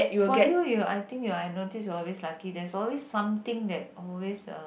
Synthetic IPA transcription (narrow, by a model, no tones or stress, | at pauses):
ɛjufɔɡɛjujua̰jt̪ɪ̃ŋkjuanotisjɔɔlweslakidɛsɔlwesːãmt̪ɪ̃ŋdɛt̚ɔlwesʌ̰